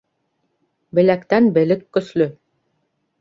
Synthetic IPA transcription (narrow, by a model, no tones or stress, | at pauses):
bɘ̆lækt̪ænbɘ̆lɘkːɵ̆slɵ